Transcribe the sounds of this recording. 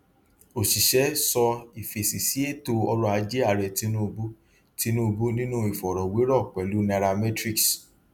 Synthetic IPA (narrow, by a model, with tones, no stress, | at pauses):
o˨ʃi˨ʃɛ˨˦sɔ˧i˨fe˨si˨si˨˦e˦˨to˧ɔ˧ɾɔ˧˦a˧˦d͡ʒe˦a˦˨ɾɛ˨ti˧nũ˦˧bu˦ | ti˧nũ˦˧bu˦nĩ˦nũ˦i˨fɔ˨ɾɔ˨we˨˦ɾɔ˦˨k͡pɛ˨lu˨˦na˧ɾa˧mɛ˦tɾi˦ks